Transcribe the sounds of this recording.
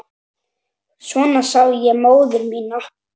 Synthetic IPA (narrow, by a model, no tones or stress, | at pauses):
svɔːnasawjɛmoːwðʏɾmiːna